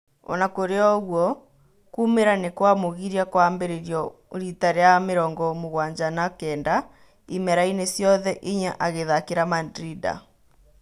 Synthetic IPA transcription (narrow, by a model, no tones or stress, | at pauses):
ɔ̰nakoɾeɔɣwɔ | kumeɾanekwamoɣiɾiakwaːmbeɾeɾjɔ | ɾitaɾeameɾɔːŋɡɔmoɣwaːɲd͡ʑanakɛːnda | imɛɾainesjɔðɛʔiɲaʔaɣeðakeɾamandɾida̰